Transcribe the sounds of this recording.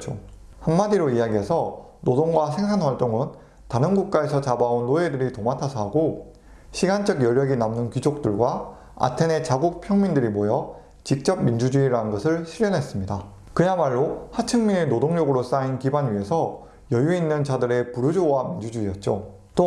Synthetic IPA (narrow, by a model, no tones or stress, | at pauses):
t͡ɕohanmadiɾoijaɡiɦe̞sʰʌ | nodoŋɡwasʰe̞ŋsʰanɸwaɭt͈oŋɯn | taɾɯnɡuk̚k͈ae̞sʰʌt͡ɕabaunːoe̞dɯɾitomatʰasʰʌɦaɡo | ɕʰiɡant͡ɕ͈ʌɡjʌʎːʌɡinamnɯnkid͡ʑok̚t͈ɯɭɡwa | a̰tʰe̞ne̞t͡ɕaɡuk̚pʰjʌŋmindɯɾimojʌ | t͡ɕik̚t͡ɕ͈ʌb̚mind͡ʑud͡ʑuiɾaɯnɡʌsʰɯɭɕʰiɾjʌnɦe̞s͈ɯmɲida | kɯjamaɭːohat͡ɕʰɯŋminenodoŋɲʌɡɯɾos͈ainkibanɥiɦe̞sʰʌ | jʌjuinːɯnt͡ɕadɯɾe̞puɾud͡ʑowamind͡ʑud͡ʑuiʌt̚t͡ɕ͈o | t͈o